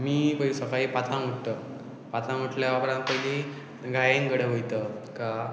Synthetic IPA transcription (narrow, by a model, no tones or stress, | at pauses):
miːpəisəkaɦipat̪ʰãuʈt̪ə | pat̪ʰãŋuʈʰljaabɾãnpəɦili | ɡʱajenɡəɽəʋojt̪əka